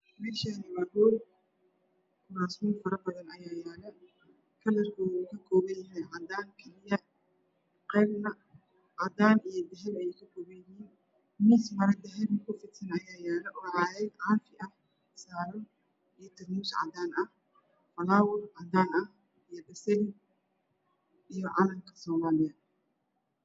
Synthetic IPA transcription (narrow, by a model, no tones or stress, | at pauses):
mɛːʃanɐwɐdɔːd | kʰʊnaːsmɔːfɐɾɐbɐðɐnɐjaːjaːlɐ | kʰɐlɐrkʰɔːkʰɐkʰɔːβɐjɐɦɛjʕɑd̪aːnkʰɐlɪjɐ | qɛːbnɐ | ʕɑd̪aːnijɞd̪ɛɦɛbɐjɛjkʰɐkʰɔːβɛjɪɦiːn | mɪsmɐɾɛd̪ɛɦɛbɐkʰʊfɪt̪sɐnɐjaːjaːlɛʔɔːʕɑːjɛɡʕɑːfɪʔɐh | saːɾɔ | ijɔt̪ʰɐmuːsʕɑ̰d̪aːnɐh | fɐlaːwɔrʕɑd̪aːnɐh | ijɔdɐsɛɣ | ʔijɔʕɑlɐŋkʰɐ̥sɔːmaːlɪjɐ